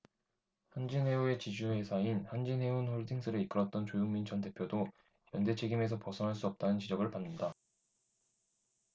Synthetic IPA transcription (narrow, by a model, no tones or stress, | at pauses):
hand͡ʑinɦe̞ue̞t͡ɕid͡ʑuhe̞sʰainhand͡ʑinɦe̞unɸoɭdʰiŋs͈ʰɯɾeik͈ɯɾʌt̚t͈ʌnt͡ɕojuŋmint͡ɕʰʌnde̞pʰjodo | jʌnde̞t͡ɕʰeɡime̞s̬ʰʌpʌsʰʌnɦaɭs͈uʌp̚t͈anɯnt͡ɕid͡ʑʌɡɯɭpanːɯnda